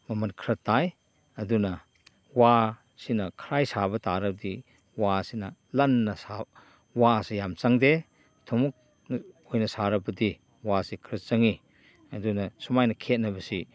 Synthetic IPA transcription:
mɐmɐnkʰɾɐtːaj | ɐdunɐ | wa | sinɐkʰɾajsabɐtaɾɐb̚di | wasinɐlɐnːɐsa | wasijamt͡ʃaŋde | tʰɔmuk̚ | nojnɐsaɾɐbɐdi | wasikʰɾɐt̚t͡ʃɐŋi | ɐdunɐsumajnɐkʰet̚nɐbɐsi

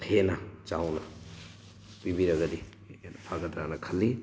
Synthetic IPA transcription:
henɐd͡ʒawnɐ | pibiɾɐɡɐdi | enɐpʰaɡɐtɾanɐkʰɐlːi

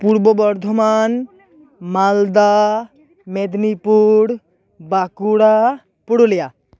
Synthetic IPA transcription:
puɾbɔbɔɾd̪ʱɔman | mald̪a | med̪nipuɽ | bakuɽa | puɽulija

